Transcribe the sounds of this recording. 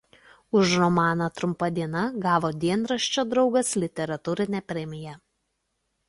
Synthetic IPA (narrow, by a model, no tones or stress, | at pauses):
ʊʃɾɔmɑːnɐt̪ɾʊmpɐd̪ʲiɛnɐɡɑːʋoːd̪ʲiɛnɾɐʃʲt͡ʃʲoːd̪ɾɒʊɡɐslʲɪt̪ʲɛɾɐt̪uːɾʲɪnʲɛpʲɾʲɛmʲɪjɛ